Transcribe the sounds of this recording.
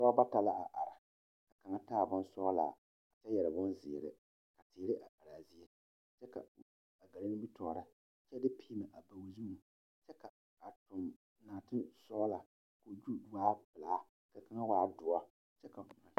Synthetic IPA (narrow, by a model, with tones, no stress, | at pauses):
sɔ˦ba˦ta˨la˦ʔa˨ʔa˨ɾa˨ | ka˨ka˨ŋa˦taː˦˨bʊ˦n˦sɔ˦la̰˨ | a˨t͡ʃɛ˦jɛ˨ɾɨ˨bʊ˦nzɪ̰˨ɾɪ̰˦ | ka˨tɪː˨ɾɪ˦ʔa˨ʔa˨ɾaː˨zi˦e˦ | t͡ʃɛ˦ka̰˨ | a˨ɡa˨lɪ˦nɪ˦bi˦tɔː˨ɾa˦ | t͡ʃɛ˦dɪ˦pʰi˦ma˨ʔa˨ba˨wu˨zu˦u˨ | t͡ʃɛ˦ka˨ | a˨tʊ˨m | naː˨tɪ˦sɔ˦la˨ | ko˨d͡ʒu˦dwaː˦pɨ˨laː˨˦ | ka˨ka˨ŋa˦waː˨˦dʊ˨a˦ | t͡ʃɛ˦ka˨kʊ˨ŋa̰˨